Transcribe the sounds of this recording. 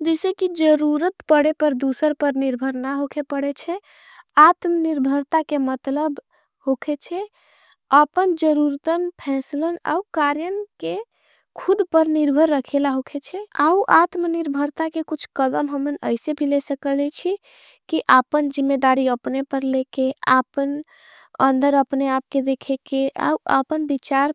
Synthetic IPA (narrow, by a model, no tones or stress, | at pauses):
d͡ʒesekid͡ʒəɾuɾət̪pəɽepəɾd̪usəɾpəɾniɾbʱəɾnaɦokʰepəɽet͡ʃʰɛ | at̪mniɾbʱəɾt̪akemət̪ləb | hokʰet͡ʃʰɛ | apənd͡ʒəɾuɾt̪ənpʰɛ̃sləna̰ukaɾjənke | kʰud̪pəɾniɾbʱəɾːəkʰelaɦokʰet͡ʃʰɛauʔat̪mniɾbʱəɾt̪akekut͡ʃʰkəd̪əmɦəmənə̰ɪsebʱilɛsəkəlɛt͡ʃʰi | kiʔapənd͡ʒimːed̪aɾiəpnepəɾlekeapən | ə̰nd̪əɾəpneap̚ked̪ekʰekeʔa̰uʔa̰pənbit͡ʃaɾ